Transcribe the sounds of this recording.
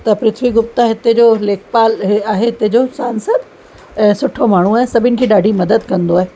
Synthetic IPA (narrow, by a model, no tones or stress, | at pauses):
t̪ɐpɾɪt̪ʰʋiɡʊp̚t̪aɦɪt̪ed͡ʑoːleːkʰpaːlɦaːɦeɦɪt̪ed͡ʑosaːnsəd̪ | ɛ̃ːsʊʈʰomaːɳ̤uaːɦẽsɐbʱɪnɪ̆kʰeːɗaːɖʱimɐd̪əd̪kɐ̃nd̪oaːɦe